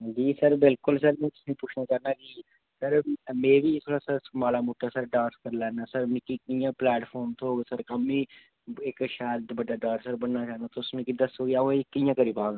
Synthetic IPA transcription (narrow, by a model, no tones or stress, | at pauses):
d͡ʒiːsəɾbɪlkʊls̬əɾmɛ̃ːt̪ʊ̥sĩpʊːt͡ʃʰnaːt͡ʃaːnaːkiː | səɾmẽːʋiːt̪ʰoːɽaːsəɾsmaːlaːmoːʈːaːsəɾɖaːɾskəɾlɛːnaːsəɾmɪ̃kikɪjãːplɛːʈpʰɔːɾmt̪ʰoːɡsəɾkəmiː | ɪkʃaːld̪bəɖaːɖaːɾsəɾbənnaːt͡ʃaːnd̪aːt̪oʊsmẽːkid̪əsoːɡeaokɪjãːkəɾiːpaːɡa